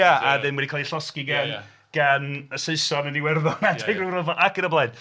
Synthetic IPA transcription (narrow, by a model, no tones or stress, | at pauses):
aaðɪnwɛdikʰaːlˠiɬɔskiɡan | ɡ̥anəseɨsɔnəniwɛrðɔnaɛɡrɪrəvɔʔakəɾəblˠaɨn